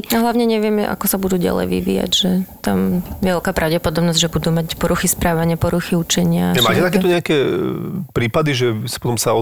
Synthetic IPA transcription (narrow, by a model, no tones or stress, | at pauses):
aɦlaʊɲɛɲɛʋɪɛmɛʔa̰kɔsabud̪uːɟa̰lɛ̰jʋḭʋḭːja̰ɟʒɛt̪amʋɛlkaːpɾaʊɟɛpɔd̪ɔbnɔzɟʒɛbud̪umacpɔɾuxispɾaːʋaɲɪapɔɾuxiut͡ʃɛɲɪamaːcɛt̪akɛːt̪ɔɲɛakɛ | pɾiːpad̪iʒɛsḁpɔt̪ɔmsaɔ